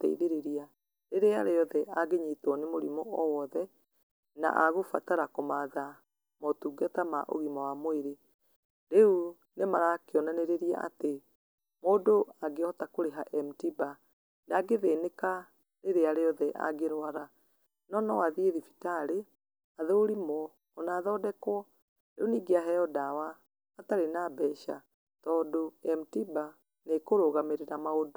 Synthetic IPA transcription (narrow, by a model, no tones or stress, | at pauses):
tɛ̰ḭðeɾeɾia | ɾeɾeaɾeɔðɛaɡeɲetwɔnemoɾimɔɔwɔðɛ | na̰ʔaɣofataɾakomaːða | mɔtuːɡatama̰ʔo̰ɣimawamoeɾe | ɾeu | nemaɾakeɔnaneɾeɾia̰ʔa̰te | moːdoaɡeɔtakoɾeɦaʔɛmtiba | naɡeðeːneka | ɾeɾeaɾeɔðɛʔa̰ɡeɾwaɾa | nɔnɔwaðieðifi̥taɾe | aðeoɾimwɔː | naːðɔːdɛkwɔ | ɾeuniːɡeaɦɛɔdawaː | taɾenabɛʃa̰ | tɔːndoɛmtiba | nekoɾoɣameɾeɾamaodo